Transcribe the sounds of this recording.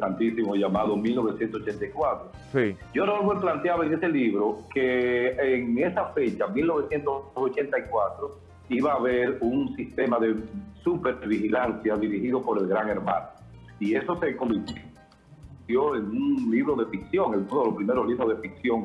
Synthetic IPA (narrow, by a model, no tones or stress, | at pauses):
sant̪isimoʝamaðomilno̞βe̞sjent̪osot͡ʃe̞nt̪aikwat̪ɾo | siɟ͡ʝoɾolβweplant̪jaβoeŋe̞se̞liβɾo̞keː | ŋe̞safe̞t͡ʃamilno̞βe̞sje̞nt̪osot͡ʃe̞nt̪aikwat̪ɾo | iβaːβe̞ɾuŋsist̪e̞maðe̞supe̞βihilansjaðiɾihiðo̞po̞ɾe̞lɣɾaŋe̞ɾmã̰no | ie̞so̞se̞ko̞mbiɾ | t̪jo̞eŋuŋliβɾo̞ðe̞fiksjo̞ŋelmundoelospɾime̞ɾosliβɾozðe̞fik̚sjo̞ŋ